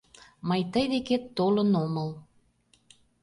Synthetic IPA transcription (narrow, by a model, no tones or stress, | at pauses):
məjt̪əjd̪eket̪ːolə̆noməl